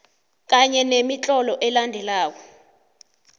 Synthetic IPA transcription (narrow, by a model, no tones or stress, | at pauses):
k̬aɲɛnemit͡ɬʼɔlɔʔɛlandʱɛlaːk̬ɔ